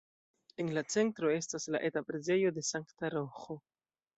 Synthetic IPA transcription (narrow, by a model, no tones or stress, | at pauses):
e̞nlat͡se̞ntɾo̞e̞stasla̰ʔetapɾe̞ze̞jo̞de̞saŋktaɾo̞xo̞